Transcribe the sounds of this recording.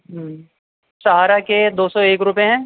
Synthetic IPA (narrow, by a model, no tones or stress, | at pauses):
ɦ | ʃaɦaɾaked̪oːsɔeːkɾʊpeɦɛ̃ː